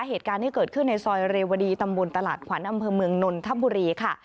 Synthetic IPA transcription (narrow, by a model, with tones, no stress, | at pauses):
ɦeː˨˩t̪̚kaː˧nt̪ʰiː˥˩kɤː˨˩t̪̚kʰɯ˥˩nːa˧jsɔː˧jɾeː˧wa˧diː˧t̪a˧mbo˧nt̪a˧la̰ː˨˩t̪̚kʰwa˩˦nʔa˧mpʰɤː˧mɯ˧əŋno˧nt̪ʰa˦˥˩buː˧ɾiː˧kʰa˥˩